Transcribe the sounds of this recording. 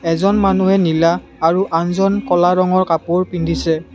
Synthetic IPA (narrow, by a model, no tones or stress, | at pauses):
ɛzɔnmanuɦɛnilaː | ɹuʔanzɔnkɔlaɹɔŋɔɹkapʊɹpindʱisɛ